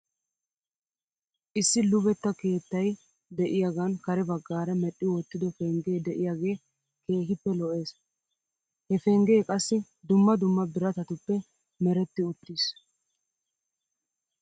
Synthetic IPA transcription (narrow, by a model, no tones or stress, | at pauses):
ʔɪsːɪlʊβɛt̪ːɐke̞ːt̪ːɐj | d̪ɛʔɪjaɡɐnkɐɾɛbɐɡːaːɾɐmɛɗːɪwɔt̪ːɪd̪ɔfɛŋɡe̞ːd̪ɛʔɪjaːɡe̞ː | ke̞ːɦɪpːɛlɔʔe̞ːs | hɛfɛŋɡe̞ːkʼɐsːɪ | d̪ʊmːɐd̪ʊmːɐbɪɾɐt̪ɐt̪ʊpːɛ | mɛɾɛt̪ːɪʊt̪ːis